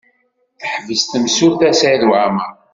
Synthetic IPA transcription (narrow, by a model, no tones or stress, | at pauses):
θəħvəst̪msʊɾθæsæðwʕama